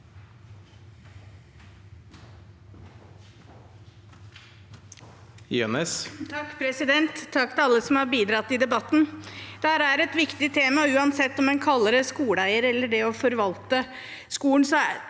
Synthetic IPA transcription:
jø̰nəst̪ʰɑkːpʰɾɛsɪd̪ɛnt̪ʰːɑkːt̪ʰɪlɑlːəsɔmhɑɾbiːd̪ɾɑt̪ːɪd̪ɛbɑt̪n̩d̪̥ɛhæːɾæɾɛt̪ʋɪkt̪ɪt̪ʰeːmɑʉːɑnsɛt̪ːɔmɛnkʰɑlːəɾəskuːɽæɪəɾɛlːəɖɛɔfɔɾʋɑlt̪ə | skuːən̩sɔ

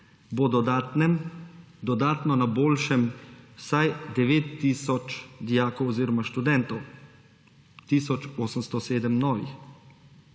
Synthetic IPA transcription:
bɔd̪ɔ | d̪ɔd̪aːt̪nɔnaboːlʃɛmwsajd̪ɛʋeːt̪ːisɔt͡ʃd̪ijaːkɔwɔziːɾɔmaʃt̪ud̪ɛnt̪ɔw | t̪iːsɔt͡ʃoːsəmst̪ɔseːd̪əmnɔːʋḭx

